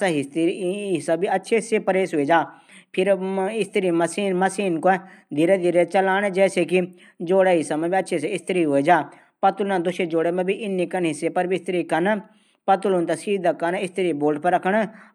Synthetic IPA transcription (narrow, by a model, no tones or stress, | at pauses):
saɦɪt̪iɦɪsabiɐtːʃʰesepɐɾeːsɦʊed͡ʒaː | pʰɪɾɪst̪ɪɾimɐsiːnmɐsiːnkod̪ʱiɾed̪ʱiɾet͡ʃɐlaːɽ̃ed͡ʒɛːseki | d͡ʒoːɽeɦɪsamẽbiɐtːʃʰes̬eɪst̪ɾiɦued͡ʒaː | pɐt̪ʊlnãd̪ʊʃed͡ʒoːɽemɛ̃bʱiʔɪnːikɐnɦɪsepɐɾbiɪst̪ɾikɐn | pɐt̪ʊlunt̪ɐsiːd̪akɐnɪst̪ɪɾiboːlɖpɐɾɐkʰəɽ̃